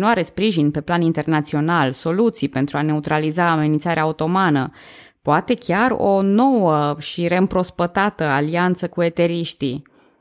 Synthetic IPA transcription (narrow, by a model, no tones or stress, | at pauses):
inuaɾe̞spɾiʒinpe̞planint̪e̞rnat̪sio̞nalso̞lut̪sijpent̪ɾuane̞ut̪ɾalizaːme̞nint̪saɾeaut̪o̞manə | poat̪e̞kʲaro̞no̞wəʃiɾe̞ɨmpɾo̞spət̪at̪əaliant̪səkue̞t̪e̞ɾiʃt̪i